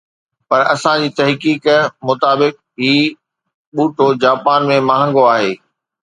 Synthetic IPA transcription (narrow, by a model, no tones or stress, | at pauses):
pɐɾɐsãd͡ʑiːt̪ɐɦkiːkmʊt̪aːbɪk̚ | ɦiː | ɓuːʈod͡ʑaːpaːnmẽmɐɦə̃ŋɡoaːɦeː